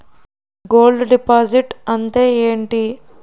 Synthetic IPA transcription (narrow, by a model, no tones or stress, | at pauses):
ɡo̞ːlɖɖipaːd͡ʒiʈɐnt̪e̞ːeːɳʈi